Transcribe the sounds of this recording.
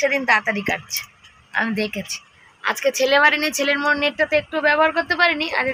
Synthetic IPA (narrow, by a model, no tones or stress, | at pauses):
ed̪int̪at̪aɾika̰ʈt͡ɕʰe̥ | a̰mid̪ekʰet͡ɕʰi̥ | a̰d͡ʑket͡ɕʰelebaɾinit͡ɕʰeleɾmonːeʈʈat̪eek̚ʈubɛboɦaɾkoɾt̪epaɾenia̰ɾe